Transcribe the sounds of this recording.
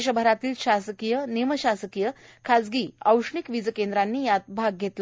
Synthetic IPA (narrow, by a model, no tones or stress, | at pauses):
ɕ̬əbʱəɾat̪iːlɕasəkijəneməɕasəkijəkʰad͡zɡiːa̰wʂɳikʋid͡zəkend̪ɾanːiːjat̪̚bʱaɡ̚ɡʱet̪lə